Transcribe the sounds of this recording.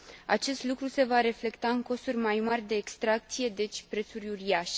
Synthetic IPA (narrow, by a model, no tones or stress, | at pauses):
a̰t͡ʃe̞st̪lukɾuse̞vaɾe̞fle̞kt̪aɨŋko̞surʲmajmarʲd̪e̞ːkst̪ɾak̚t̪sije̞d̪e̞t͡ʃʲpɾe̞t̪surʲuriaʃe